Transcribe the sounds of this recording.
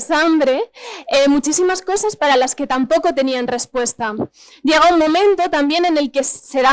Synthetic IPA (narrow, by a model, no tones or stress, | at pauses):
sambɾe̞emut͡ʃisimasko̞saspaɾalaske̞t̪ampo̞ko̞t̪e̞nianre̞spwe̞st̪a | ɟ͡ʝe̞ɣ̞auŋmõ̞mẽ̞nt̪o̞t̪ambje̞ne̞ne̞lke̞se̞ða